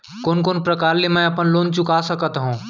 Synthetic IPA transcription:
koːnkoːnpɾɐkaːɾlemɛ̃ɐpənloːnt͡ʃʊkasɐkət̪ɦũː

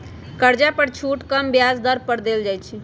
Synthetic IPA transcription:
kəɾd͡ʒapəɾt͡ʃʰuʈkəmbjazd̪əɾpəɾd̪eld͡ʒajt͡ʃʰi

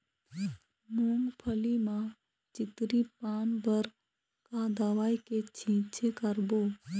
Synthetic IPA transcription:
muːŋɡpʰəlimã | t͡ʃɪt̪ɾipaːnbəɾ | kad̪aʋaːjket͡ʃʰĩːt͡ʃʰekəɾboː

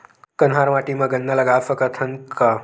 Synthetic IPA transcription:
kɐnɦaːɾʋaːʈimɐɡɐnːɐlɐɡaːfɐkɐt̪ʰɐnka

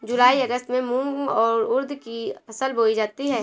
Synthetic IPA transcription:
d͡ʒʊlaːiɐɡəst̪mẽmũŋɡɔːɾʊɾd̪ʱkiɐsəlbʱoːid͡ʒaːt̪iɦɛː

